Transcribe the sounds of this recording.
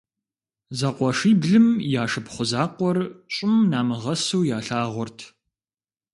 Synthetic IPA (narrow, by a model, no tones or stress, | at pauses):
zɐqʷɔʂiːbɮɨmjaːʂɨpχʷʊzaːqʷɔrɕʼɪmnaːmɨʁɐsuwjaːɬaːʁʷɔrtʰ